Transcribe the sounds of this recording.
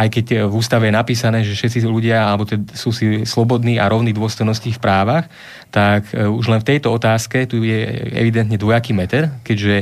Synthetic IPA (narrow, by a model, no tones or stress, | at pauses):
ajkɛcvuːst̪aʋɛjɛnapiːsanɛːʒɛfʃɛt̪t͡siluɟɪaalɛbɔt̪ɛsuːsislɔbɔd̪niːaɾɔʊnid̪ʊɔst̪ɔjnɔsciːfpɾaːʋax | t̪akuʒlɛnft̪ɛjt̪ɔɔt̪aːskɛt̪ujɛɛ̰ʋid̪ɛnt̪ɲɛd̪ʋɔjakiːmɛt̪ɛɾkɛɟʒɛ